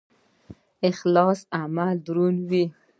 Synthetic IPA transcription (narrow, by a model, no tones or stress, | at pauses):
ɪxlɑsamald̪ɾunwi